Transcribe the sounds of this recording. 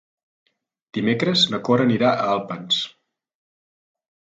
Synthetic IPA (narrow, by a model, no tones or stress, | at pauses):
d̪̥imekɾəznəkoɾəniɾaʔəalˠpəns